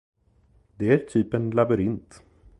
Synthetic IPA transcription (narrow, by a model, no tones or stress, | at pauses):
d̪ɛæɾʈʰyːpənlabɵɾɪnt̪